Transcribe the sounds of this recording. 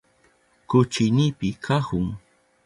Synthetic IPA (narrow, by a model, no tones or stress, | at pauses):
kʊt͡ʃɪnɪpɪkʰahʊŋ